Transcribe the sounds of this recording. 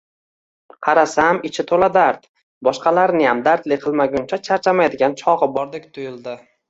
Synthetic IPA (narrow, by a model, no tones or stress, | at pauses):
qʰɑɾasamɪt͡ʃʰɪt̪ʰolad̪aɾd̪ | bɒʃqɑlaɾnɪjamd̪aɾt̪lɪqʰɨlˠmaɡʲʊnt͡ʃʰat͡ʃʰaɾt͡ʃʰamajd̪ɪɡʲant͡ʃʰɒʁɨbɒɾd̪ek̚ʲt̪ʰʊjɪlˠd̪ɪ